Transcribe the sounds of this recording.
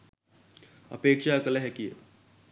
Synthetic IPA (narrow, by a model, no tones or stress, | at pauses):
ɐ̰peːkʃakəleɦɛkḭ